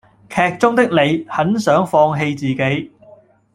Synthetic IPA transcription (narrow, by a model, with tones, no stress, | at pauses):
kʰɛː˨k̚t͡sʊ˥ŋt̪ɪ˥k̚le˨˧jhɐ˨˥nsœː˨˥ŋfɔː˧ŋɦe˧jt͡siː˨˩ke˨˥j